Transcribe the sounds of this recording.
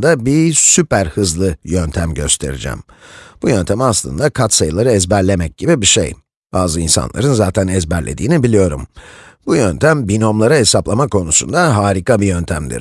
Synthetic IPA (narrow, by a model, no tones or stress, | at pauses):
d̪abisypæɾhɯzlˠɯjønt̪ʰæmɟøst̪ʰe̞̰ɾḭd͡ʒæ̰m | b̥ujønt̪ʰæmaslˠɯ̰nd̪akʰat̪sajɯlˠaɾɯɛzbæɾlʲe̞mɛc̚ɟibibiʃḛj | b̥aːzɯinsa̰nlˠa̰ɾɯnzaːt̪ʰænɛzbæɾlʲe̞̰d̪iːnibilʲijo̞ɾumb̥ujønt̪ʰæmbino̞mlˠaɾaɦe̞saplˠamakʰo̞nusund̪aɦaːɾikabijønt̪ʰæmd̪ḭɾ̥